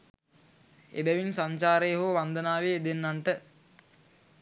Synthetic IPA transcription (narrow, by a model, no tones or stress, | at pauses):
ḛbɛʋinsaɲt͡ʃaːɾəjɦoʋand̪ənaːʋeːd̪enːanʈə